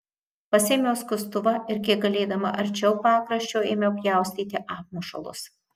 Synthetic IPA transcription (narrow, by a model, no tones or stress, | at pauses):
pɐsʲeːmʲoːskʊst̪ʊʋɐʔɪɾkʲiɛɡɐlʲeːd̪ɐmɐ̰ʔɐɾʲt͡ʃʲɛʊpɑːkɾɐʃʲt͡ʃʲoːeːmʲɛʊpjæˑʊsʲt̪ʲiːt̪ʲɪʔɑːp̚muːʃɐ̰lˠʊ̰s